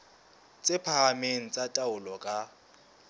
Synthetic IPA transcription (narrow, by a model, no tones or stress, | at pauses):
t͡sʼɪpʰaameŋ̩t͡sʼatʼaʊlɔkʼa